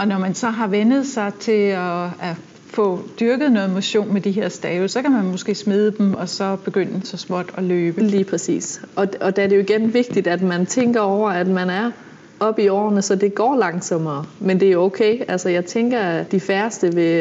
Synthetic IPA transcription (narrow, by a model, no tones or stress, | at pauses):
ʔɒ̽nɒmænsɒ̽ɦɑ̈ʋenð̞̩ˠsɑ̈ɪt͡sʰe̝lɒæ | fɔ̽d̥yɐɡ̥ð̞̩ˠnɔ̽ːð̩ˠmo̝ɕo̝̰ːnmed̥iɦeɐ̰sd̥ɛːʊsɒ̽kæmænmo̝sɡ̥e̝̰ːsmeð̞ˠəd̥emɒ̽sɒ̽b̥e̝ɡ̥øn̰əsɒ̽smɒd̥ɒ̽løːb̥əliːpʰʁɛsḭːsʔɒ̽ɒ̽d̥æɐɾe̝jo̝iɡ̥enʋe̝ɡ̥̚d̥id̥æd̥mænt͡sʰeŋɡ̥ɐɒʊ̰ɐæd̥mænæɐ | ɒ̽b̥iɒ̰ːɐnəsɒ̽d̥e̝ɡ̥ɒ̰ːlɑ̈ŋsɒ̽mɐːmend̥e̝jo̝oʊkʰeɪælsɐjɑ̈ɪt͡sʰeŋɡ̥ɐd̥ifæɐsd̥əʋe